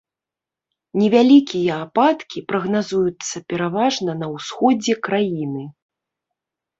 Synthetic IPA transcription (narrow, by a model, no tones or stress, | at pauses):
nʲɛvʲalʲikʲijɐapat̪kʲipɾɐɣnazujut̪sːɐpʲɛɾavaʐnɐnɐwsxɔd͡zʲɛkɾajinɨ